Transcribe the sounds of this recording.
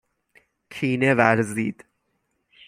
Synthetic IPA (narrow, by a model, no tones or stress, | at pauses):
kʰiːnevæɾziːd̪̥